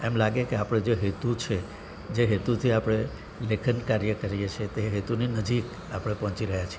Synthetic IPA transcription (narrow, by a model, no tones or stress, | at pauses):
emlaɡekeapəɽ̃ed͡ʒeɦet̪ut͡ʃʰe | d͡ʒeɦet̪ut̪ʰiapɽ̃e | lekʰənkaɾjəkəɾijet͡ʃʰet̪eɦet̪uninəd͡ʒik | apəɽ̃epɔ̃ɦɔ̃t͡ʃiɾəɦjat͡ʃʰije